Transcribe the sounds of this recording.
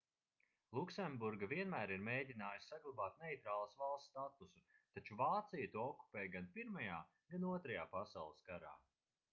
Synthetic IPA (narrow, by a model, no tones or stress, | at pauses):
lˠuksembuɾɡaviɛnmæːɾiɾmeːdʲinaːjisʲsaɡlˠabaːt̪̚nejt̪ɾaːlˠasvalˠst̪t̪at̪usut̪at͡ʃuvaːt̪sijɐt̪uɔɔkːu̥pɛːjɡanpiɾmajaː | ɡ̥anuɔt̪ɾɐjaːpasawlˠəskaɾa̰ː